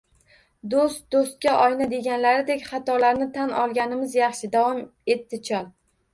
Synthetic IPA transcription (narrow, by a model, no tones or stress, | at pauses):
d̪ost̪̚d̪ost̪̚kʲaʔɒjnad̪e̞ɡʲanlaɾɪd̪e̞kʲχɑt̪ʰɒlaɾnɪt̪ʰanɒlˠɡʲanɪmɪzjɑχʃɪd̪avɒme̞t̪ːɪt͡ʃʰɒlˠ